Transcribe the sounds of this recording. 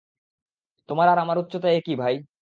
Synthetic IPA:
t̪omaɾaɾamaɾut̪ːɕot̪ajekibʱaj

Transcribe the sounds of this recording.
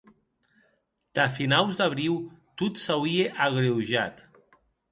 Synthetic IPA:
d̪̥afinawzd̪aβ̞ɾiwt̪ut̪sawieʔaɣɾewʒat̪

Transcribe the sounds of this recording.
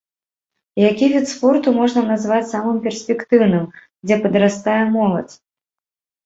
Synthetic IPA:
jakʲivʲit̪spɔrt̪umɔʐnɐnazvat͡sʲsamɨmpʲɛrsʲpʲɛkt̪ɨwnɨm | d͡zʲɛpɐd̪ɾast̪ajɛmɔlˠɐ̰t͡sʲ

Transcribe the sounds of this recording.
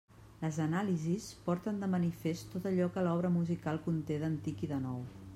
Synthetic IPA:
ləzənalizispɔɾt̪ənd̪əmənifest̪ot̪əʎɔkəlɔβ̞ɾəmuzikalˠkunt̪eðənt̪ikiðənɔw

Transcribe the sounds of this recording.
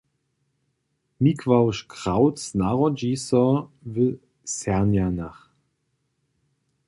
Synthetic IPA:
mikʰv̥aʊʃkʁ̥aʊtsnaʁod͡ʒisɔvɪl | sɛɐnjanaχ

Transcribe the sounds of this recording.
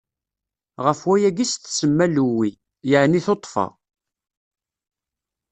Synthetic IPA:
ʁəfwæjæɡisθsəmːælwi | jəʕniθot̪ˤːfɑ̰

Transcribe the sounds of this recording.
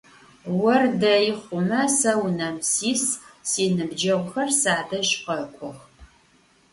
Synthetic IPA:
wɐrdɐjɪχʷʊmɐsɐwnɐmsiːssiːnɨbd͡ʒɐʁʷʊxɐrsaːdɐʒʼqɐkʷʰʼʊx

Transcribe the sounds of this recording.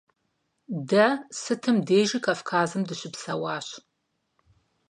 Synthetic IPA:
dɐsɨtʰɨmdeːʒikʰafkʰaːzɨmdɨɕɪpsɐwaːɕ

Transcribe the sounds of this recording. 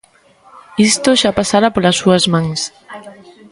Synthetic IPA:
ist̪oʃapasaɾapolasːuɐzmãŋs

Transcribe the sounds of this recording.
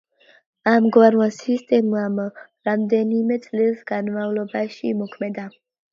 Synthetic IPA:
amɡvaɾwasist̪ʼɛmuam | ɾamd̪ɛnimɛt̪t͡s̪ʼlisɡanmaulɔbaʃimɔkʰmɛd̪a

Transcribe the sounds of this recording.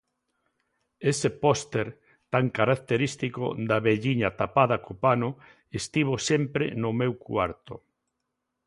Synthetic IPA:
esepɔst̪eɾ | t̪aŋkaɾak̚t̪eɾist̪iko̰d̪aβeʎiɲat̪apaðakopanʊ | est̪iβosempɾḛnʊmewkwa̰ɾt̪o̰

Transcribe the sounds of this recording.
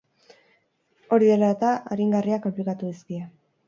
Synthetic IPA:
o̞ɾiðe̞laet̪aaɾiŋɡariakomplikat̪uðiskia

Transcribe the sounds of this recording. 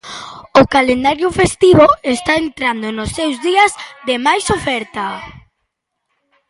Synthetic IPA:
okalend̪aɾjʊfest̪iβoest̪aent̪ɾand̪onosːewzðiɐzðemajsofɛɾt̪a

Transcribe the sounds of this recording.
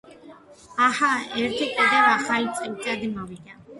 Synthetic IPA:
ahaɛɾt̪ʰɛkʼɛd̪avaχalit̪t͡s̪ʼɛkt̪ʼad̪ɛmavid̪a

